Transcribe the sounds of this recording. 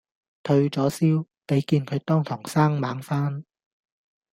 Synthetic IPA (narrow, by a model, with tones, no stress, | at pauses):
t̪ʰɵ˧ɥt͡sɔː˨˥siː˥w | pe˨˥jkiː˧nkʰɵ˨˧ɥt̪ɔː˥ŋt̪ʰʊ˨˩ŋsaː˥ŋmaː˨˥ŋfaː˥n